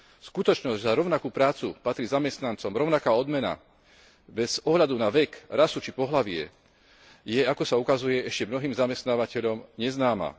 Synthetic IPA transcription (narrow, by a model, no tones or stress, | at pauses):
skut̪ɔt͡ʃnɔzzaɾɔʊnakuːpɾaːt͡supat̪ɾiːzamɛst̪nant͡sɔmɾɔʊnakaːɔd̪mɛna̰ | bɛz̥ɔɦʎad̪unaʋɛkɾasut͡ʃipɔɦlaʋɪɛ̰ | jɛakɔsaukazujɛɛʃcɛmnɔɦiːmzamɛst̪naːʋacɛʎɔmɲɛznaːma̰